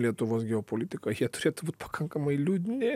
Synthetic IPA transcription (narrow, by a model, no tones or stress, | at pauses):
lʲiɛt̪ʊʋoːsɡʲɛoːpolʲit̪ʲɪkɐjiɛt̪ʊɾʲeːt̪ʊbuːt̪̚ʲpɐ̥kʰɐŋkɐmɐɪlʲuːd̪ʲɪnʲɪ